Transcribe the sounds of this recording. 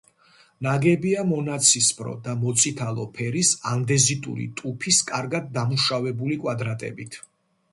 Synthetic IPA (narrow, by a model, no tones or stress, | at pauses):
naɡɛbiamɔnat̪sʰispʰʼɾɔ̰d̪amɔt̪sʼit̪ʰalˠɔpʰɛɾisand̪ɛzit̪ʼṵɾḭt̪ʼupʰiskʼaɾɡad̪̚ːamuʃavɛbulikʼwad̪ɾat̪ʼɛ̰bit̪ʰ